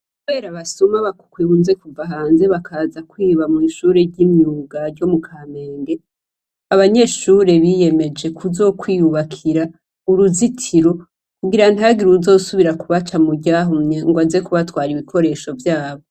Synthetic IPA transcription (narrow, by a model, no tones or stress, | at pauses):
kuβe̞ːɾaβasumaβakkwiβunze̞kuvaɦaːnze̞βakʰazakwiːβamiːʃuːɾe̞ɾɟimiuɡaɾɟo̞mukʰameːŋɡe̞ | aβaɲe̞ːʃuɾe̞βije̞me̞d͡ʒe̞kʰuzo̞kwiːjuβakʰiɾa | uɾuzitʰiɾo̞ | kuɡiɾan̥aɡiɾuzo̞ːsuβiɾakuβat͡ʃamuɟaːɦumɲeŋɡwaze̞kuβatwaːɾiβikʰo̞ɾe̞ːʃo̞vjaːβo̞